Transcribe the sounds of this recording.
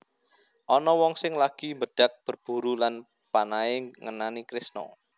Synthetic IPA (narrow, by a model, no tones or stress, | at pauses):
ʔɔnɔwɔŋsɪŋlaɡ̥imbəɖ̥a̤k̚b̥ə̤rb̥ṳɾulan | panaeŋənanikɾɪsnɔ̰